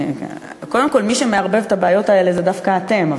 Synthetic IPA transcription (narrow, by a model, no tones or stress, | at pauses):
ko̞de̞mko̞lmiʃe̞me̞aʁbe̞vetabeajo̞tae̞le̞zedafkaːt̪e̞mav